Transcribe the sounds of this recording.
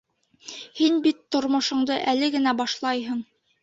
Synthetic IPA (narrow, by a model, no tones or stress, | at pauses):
hinbit̪ːŏɾmŏʃŏɴd̪ɤʔælɘɡɘ̆næbɑʃlˠɑjɦɤ̆ɴ